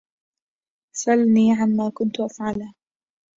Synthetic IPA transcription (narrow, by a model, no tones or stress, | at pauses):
sʔalniːʕanmaːkʊnt̪ʊʔafʕal